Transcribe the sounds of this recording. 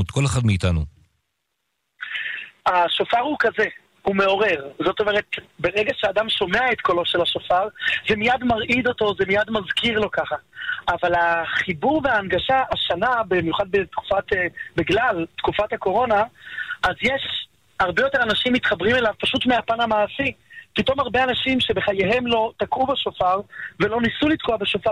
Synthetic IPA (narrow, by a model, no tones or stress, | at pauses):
ut̪ko̞leχadmeit̪anu | aʃofaʁhukaze̞ | hume̞o̞ʁe̞ʁzo̞to̞me̞ʁe̞t̪be̞ʁeɡaʃeadamʃo̞meaet̪ko̞loʃelaʃofaʁzemijadmaʁʔid̪o̞to̞zemijadmazkiʁlo̞kaχaːvalaχibuʁveaːnɡaʃaʔaʃanabimjuχad̪betku̥fatebiɡlaltkufathako̞ʁo̞naʔːzjeʃ | haʁbejo̞te̞anaʃimːitχabʁime̞lavpaʃutmeapanamaːsi | pito̞maʁbe̞anaʃimʃebe̞χajeɦe̞mlo̞takubaʃofaʁve̞lo̞nisulit̪koabeʃofa